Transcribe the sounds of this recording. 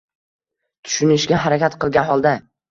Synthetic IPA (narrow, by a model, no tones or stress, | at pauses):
t̪ʰʊ̥ʃʊnɪʃɡʲaɦaɾakʲat̪qɨlˠɡʲanɦɒlˠd̪a